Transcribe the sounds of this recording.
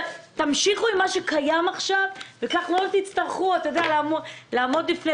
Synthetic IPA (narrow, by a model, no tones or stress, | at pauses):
t̪amʃiχuimːaʃekajamaχʃavvekaχlo̞t̪it͡st̪aʁχuat̪ajod̪ealamolaːmo̞d̪lifne